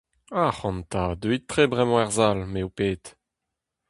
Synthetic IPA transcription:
aχɑ̃nt̪ad̪øit̪ːχebʁɛmɑ̃ɛʁzalmeupeːt̪

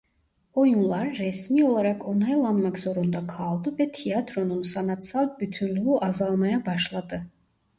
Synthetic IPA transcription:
ɔjulˠaɾːɛsmiɔlˠaɾakʰɔnajlˠamːakz̥ɔɾund̪akʰaːlˠd̪ubɛt̪ʰiad̪ɾɔnumsanat̪sal̚ˠbyt̪ʰynlvuʔazalˠmajabaʃlˠad̪ɨ

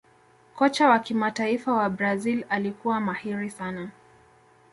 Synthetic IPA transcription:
kɔt͡ʃawakimataifawabɾazilalikuwamahiɾisana

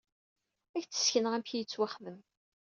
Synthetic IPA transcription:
æçt͡sːə̥sçənəʁæmçijət͡sːwaχːvəm

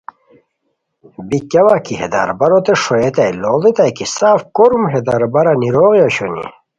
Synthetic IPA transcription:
bikɐwakihḛd̪a̰ɾbɐɾot̪eʂojet̪ajlolit̪ajkisaːfkoɾumɦed̪aɾbɐɾaniɾoːɣjaɕonḭ

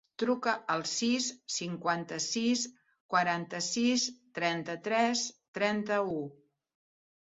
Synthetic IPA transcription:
t̪ɾukəʔəlˠsisːiŋkwant̪əsis | kwəɾant̪əsist̪ɾɛnt̪ət̪ɾɛst̪ɾɛnt̪əu

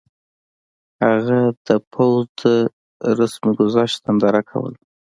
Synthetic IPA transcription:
haɣad̪̥əpʰawzd̪ə | ɾasmiɡʊzɑʃt̪and̪ɑɾakʰa̰wə̰l

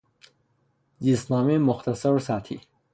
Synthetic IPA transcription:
zisnaːmemʊxt̪ɐsɐɾsaːt̪ʰḭ

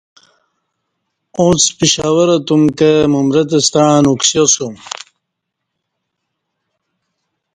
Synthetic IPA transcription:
ũt͡spiɕaːwɐɾɐt̪umkemumɾɐt̪̬ɐst̪aːnuksjɐsum

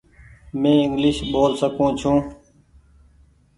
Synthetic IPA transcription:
mẽːɪ̃ŋɡlɪʃɓoːlsəkũːt͡ʃʰũː

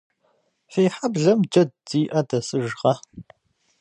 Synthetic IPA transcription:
feːħabɮɐmd͡ʒɐdːiːʔɐdɐsɨʒʁɐ

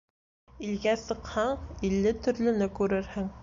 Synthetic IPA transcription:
ilɡæsɤ̆qhɑɴilːɘt̪ɵ̆ɾlɵ̆nɘkʉɾɘɾhɘŋ

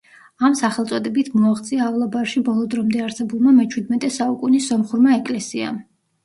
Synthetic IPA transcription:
amsaχɛlˠt̪sʼɔd̪ɛbit̪ʰmɔaχt̪sʼiaːvlˠabaɾʃibɔlˠɔd̪ɾɔmd̪ɛaɾsɛbulˠmamɛt͡ʃʰwid̪mɛt̪ʼɛsaukʼunisɔmχuɾmaɛkʼlɛsia̰m

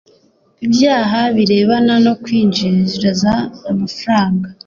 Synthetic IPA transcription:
ibjaːɦaβiɾe̞ːβanano̞kwiːnd͡ʒiɾzɾazaːmafaɾaːŋɡa

